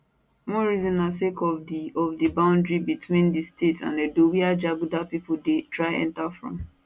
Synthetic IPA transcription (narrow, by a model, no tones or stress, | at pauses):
mɔɹizɔ̃nasekɔɔvdibãʊ̃ndɹibitwĩndistetsã̰nedowiad͡ʒaɡudapipʊldetɹaɪɛ̰̃ntafɹɔ̰̃m